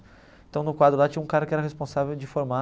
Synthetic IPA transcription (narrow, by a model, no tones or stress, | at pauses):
ẽt̪ɐ̃w̃nʊkwad̪ɾʊlat͡ʃĩɲɐũkaɾɐkɪɛɾɐhespõsavewd͡ʒɪfoɾma